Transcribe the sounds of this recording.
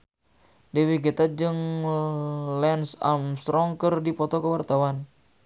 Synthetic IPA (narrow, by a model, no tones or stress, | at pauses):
dɛwiɡet̪ad͡ʒɨŋ | lɛnsa̰mst̪ɾɔŋkərdipɔt̪ɔkəwart̪awan